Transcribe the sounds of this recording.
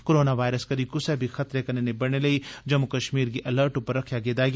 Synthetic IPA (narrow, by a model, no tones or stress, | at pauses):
koɾoːnaʋaːɪɾəskəɾikʊsɛbʱixʰɐt̪ɾekɐnenebɐɽɽneləid͡ʒɐmukəʃmiːɾkiʔələːɾʈʊpːəɾːɐkʰjaɡeːd̪aːɡ